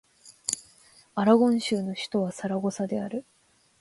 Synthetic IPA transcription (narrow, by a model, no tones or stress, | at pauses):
aɾaɡõ̞ɰ̃ɕɨːno̞ɕi̥t̪o̞β̞asaɾaɡo̞sad̪e̞aɾɯ̟